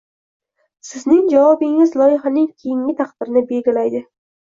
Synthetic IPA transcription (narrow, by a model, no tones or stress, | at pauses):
sɪznɪŋd͡ʒavɒbɪŋɪzlˠɒjɪχanɪŋkʲʰejɪŋʲɪt̪ʰɑqd̪ɪɾɪnɪbe̞lɡʲalajd̪ɪ